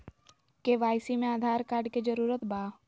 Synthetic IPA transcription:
keʋaːjsimẽaːd̪ʱaːɾkaːɾɖked͡ʒəɾuːɾət̪baː

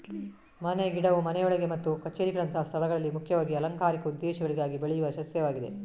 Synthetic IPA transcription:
mɐneɡiɽɐʋumɐnɛjɔɭɐɡemɐt̪ːukɐt͡ʃeːɾiɡɐɭɐnt̪ʰɐɦɐst̪ʰɐlɐɡɐɭɐlːimukʰjɐʋaːɡiɐlɐŋkaːɾikɐud̪ːɛːʃɐɡɐɭiɡaːɡibeɭɛjuʋɐʃɐsjɐʋaːɡid̪e

